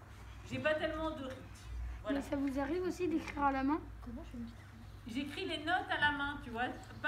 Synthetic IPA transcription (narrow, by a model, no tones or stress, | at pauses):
ʒepat̪ɛlmɑ̃d̪əʁit̪vwamɛsavuzaʁivosid̪ekχiʁalamɛ̃kɔm̃ʒt̪ | ʒekχilenɔt̪alamɛ̃t̪yvwa | p